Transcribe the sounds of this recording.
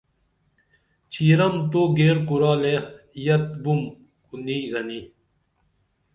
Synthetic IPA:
t͡ɕʰiːɾɐmt̪oːɡeːɾkuɾaːlejɐt̪̚bum | kuniːɣɐni

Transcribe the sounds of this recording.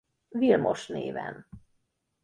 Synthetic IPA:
vilmoʃneːvɛn

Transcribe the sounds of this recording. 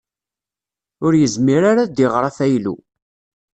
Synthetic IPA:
ʊɾjəzmiɾaɾad̪iʁɾˤaθæjlṵ

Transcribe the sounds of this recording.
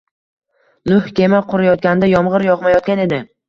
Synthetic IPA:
nʊhkʲe̞maqʰʊɾajɒt̪̚kʲand̪ajɒmʁɨɾjɒqmajɒt̪̚kʲane̞d̪ɪ

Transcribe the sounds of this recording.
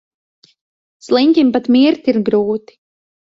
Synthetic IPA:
slˠiɲkʲimpat̪mʲiɾt̪iɾɡɾuːt̪i̥

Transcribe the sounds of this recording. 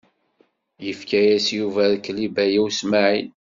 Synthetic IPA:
jəfkæjæsjuvæðkːlibæjiwsmaʕin

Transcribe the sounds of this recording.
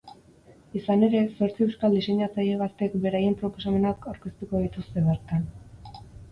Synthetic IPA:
isane̞ɾe̞so̞ɾt͡siewskald̪ise̞ɲat͡saʎe̞β̞at̪e̞kbe̞ɾaje̞mpɾo̞po̞same̞nakawɾkest̪uko̞ðit̪ust̪e̞βe̞ɾt̪an

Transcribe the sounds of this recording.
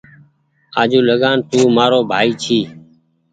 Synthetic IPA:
aːd͡ʒuːləɠaːnt̪uːmaːɾoːbʱaːiːt͡ʃʰiː

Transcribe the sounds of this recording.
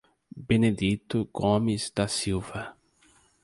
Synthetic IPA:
bened̪it̪ʊɡomizd̪ɐsiwvɐ

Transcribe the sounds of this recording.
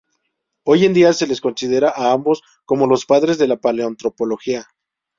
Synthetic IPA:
o̞je̞nd̪iase̞le̞sko̞nsið̞e̞ɾaʔaambo̞s | ko̞mo̞lo̞spaðɾe̞zðe̞lapaleont̪ɾo̞po̞lo̞xia

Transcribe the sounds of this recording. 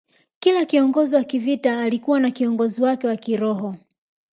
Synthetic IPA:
kilakiɔŋɡɔziwakivitaːlikuwanakiɔŋɡɔziwakɛwakiɾɔɦɔ

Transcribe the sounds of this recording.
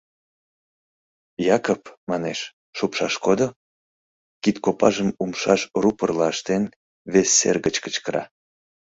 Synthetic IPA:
jɑkopmɑneʃ | ʃopʃɑʃkod̪o | kit̪kopɑ̰ʒəmumʃɑʃrupərlɑəʃt̪en | βesːḛrɣət͡ɕkə̥t͡ɕkəɾɑ̰

